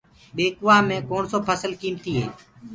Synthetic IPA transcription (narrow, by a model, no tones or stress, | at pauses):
ɓeːkʊʋaːmẽːkoːɳsoːpʰəsəlkiːmt̪iːɦḛː